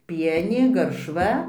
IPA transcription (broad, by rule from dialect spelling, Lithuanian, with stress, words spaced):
ˈpʲiɛnʲeː ɡɐrʃˈʋɐ